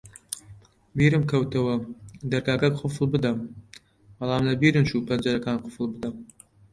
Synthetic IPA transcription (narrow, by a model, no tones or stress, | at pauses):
biːɾɨmkʰɐwt̪ɐwɐd̪ɐɾkaːkɐkqʰʊfɨlˠbɨd̪ɐm | b̥ɐlˠɑːmlɐbiːɾɨmʃuːpʰɐnd͡ʒɐɾɐkaːnqʰʊfɨlˠbɨd̪ɐm